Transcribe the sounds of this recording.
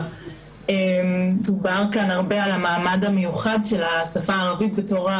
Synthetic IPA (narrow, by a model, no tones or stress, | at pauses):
emdubaʁkanaʁbe̞alamaːmadhamejuχadʃe̞lasafaːʁavitbeto̞χa